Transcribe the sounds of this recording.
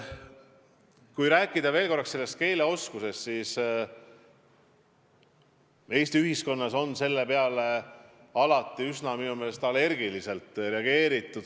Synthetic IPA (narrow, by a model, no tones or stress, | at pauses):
kujɾæːkˑːid̪̥ɑve̞ːlko̞rːɑkse̞lːe̞st̪̚ke̞ːleo̞skuse̞st̪sis | e̞ːst̪iyɦisko̞nːɑso̞nse̞lːepe̞ɑle̞ | ɑlɑt̪ːˑiyznɑminume̞ːle̞st̪ɑle̞rɡilise̞lt̪ˑrɾe̞ɑɡe̞ːɾit̪ːˑud̪̥